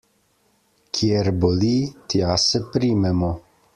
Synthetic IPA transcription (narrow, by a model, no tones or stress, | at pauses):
kʰieɾbolit̪iasepɾimɛmo